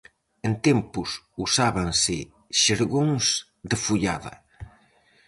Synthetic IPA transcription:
ent̪empus | usaβaŋsɪ | ʃeɾɣoŋs | d̪ɪfuʎa̰ðɐ̰

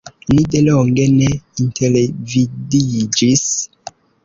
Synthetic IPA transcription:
nideloŋɡeneintʰelevidid͡ʒis

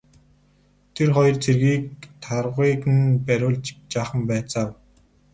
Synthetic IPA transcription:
t̪ʰerχɔjɞ̆rt͡sʰerɣiːk̚t̪ʰarʁiːkɘ̆npæɾʲʊːɮt͡ɕt͡ɕaːχə̆mpæːt͡saːw

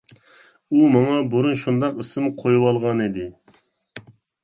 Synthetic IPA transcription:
umɑŋɑbuɾunʃund̪ɑqɨsɨmqʰojuwɑlˠʁɑnid̪ɪ

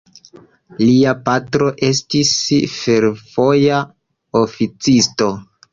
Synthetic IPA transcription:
liapatɾo̞ʔe̞stisfe̞ɾv̥o̞ja | ofit͡sisto̞

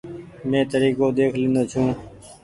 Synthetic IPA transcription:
mẽːt̪əɾiːkoːd̪eːkʰlɪ̃ːnd̪oːt͡ʃʰũː

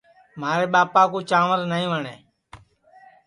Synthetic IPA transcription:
maːɾeːɓaːpaːkuːt͡ʃaːʋəɾnəːĩːʋəɳeː

